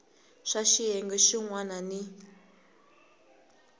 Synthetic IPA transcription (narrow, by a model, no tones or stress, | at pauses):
ʂaʃiɛŋɡəʃiŋwanani